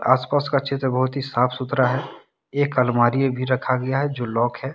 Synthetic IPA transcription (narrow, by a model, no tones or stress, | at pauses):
a̰ːspaːskat͡ʃʰɪt̪ɾbəɦʊt̪ɦisaːpʰsʊt̪ɾaɦɛ | eːkəlmaːɾiebʱiɾɐkʰaɡɐjaɦɛd͡ʒoːlɔːkɦɛ